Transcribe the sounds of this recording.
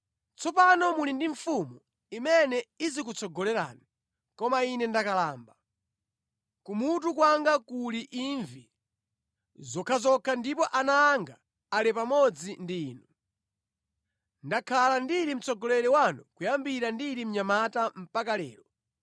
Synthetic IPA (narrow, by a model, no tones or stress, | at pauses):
t͡sɔpanɔmulindiɱfumu | imɛnɛizik̬ut͡sʰɔɡɔlɛɾa̰ːni | kɔmainɛndakalaːmba | kumut̬ukwaŋɡakuliʔiɱvi | zɔkʰazɔkʰandipɔʔanaːŋɡa | alɛpamɔd͡zindiːnu | ndakʰalandiɾim̩t͡sʰɔɡɔlɛɾɛwanɔkujambiɾandiɾim̩ɲamatam̩pakalɛ̰ːɾɔ